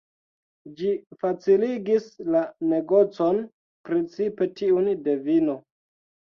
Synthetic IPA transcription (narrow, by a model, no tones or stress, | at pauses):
d͡ʒifat͡siliɡislane̞ɡo̞t͡so̞n | pɾet͡sipe̞tʰiunde̞vino̞